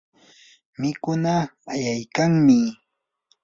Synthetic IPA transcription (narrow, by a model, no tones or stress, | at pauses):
mɪkʊnaːjajkaŋmɪ